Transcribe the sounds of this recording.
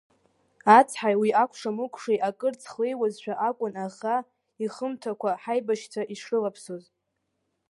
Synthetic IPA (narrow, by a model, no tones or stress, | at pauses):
at͡sʰħajwiʔakʷʰʂamɨkʷʰʼʂejʔakʼɨrt͡sʰχlejwazʃʷᶣaʔakʷʼʊnaχa | iχəmtʰakʷʰaħajbaʃt͡sʷʰaʔiʂɨlapʰsoz